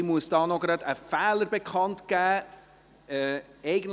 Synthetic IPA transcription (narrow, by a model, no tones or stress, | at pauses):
muəsd̥ɑːnɔɡɾɑd̪əfæːləɾbekχɑntɡ̥æː | ɛɛɪɡən̩t